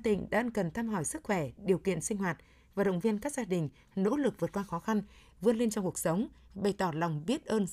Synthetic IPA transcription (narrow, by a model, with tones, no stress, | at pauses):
t̪ḭ̈˧˩ŋ̟ɗa̰ː˧˥˧nkə˨˩nt̪ʰaː˧mɦɔ˧˩jsɨ˦˥k̚xwɛ˧˩ɗi˨˩əwkḭ˧˨ənsï˧ŋ̟ɦwaː˨˩t̚ | vaː˨˩ɗə̰˧˨wŋ͡mvi˧ənkaː˦˥k̚zaː˧ɗï˨˩ŋ̟ | no̰˧˥lɨ˨˩k̚vɨ˨˩t̚kwaː˧xɔ˨˦xa˧n | vɨ˧ənle˧nt͡ɕɔ˧ŋ͡mku˨˩ək̚sə˨˦wŋ͡mɓə˨˧˩jt̪ɔ˧˩la˨˩wŋ͡mɓi˦˥ət̚ʔəː˧n